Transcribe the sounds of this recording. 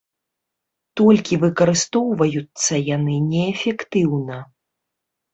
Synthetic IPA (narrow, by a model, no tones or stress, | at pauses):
t̪ɔlʲkʲivɨkɐɾɨst̪ɔwvɐjut̪sːɐjanɨnʲɛːfʲɛkt̪ɨwnɐ